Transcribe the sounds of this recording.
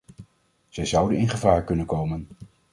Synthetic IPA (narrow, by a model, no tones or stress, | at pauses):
z̥ɛjzʌwdənɪnχəvaːɹkɵnənkowmən